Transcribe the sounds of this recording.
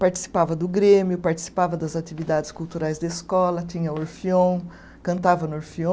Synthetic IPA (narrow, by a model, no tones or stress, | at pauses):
paɾt͡ʃi̥si̥pavɐd̪ʊɡɾẽmjʊpaɾt͡ʃi̥si̥pavɐd̪ɐzat̪ivid̪ad͡ʒɪskult̪uɾajzd̪ɐeskɔlɐt̪ĩɲɐoɾfiõw̃ | kɐ̃nt̪avɐnʊoɾfiõ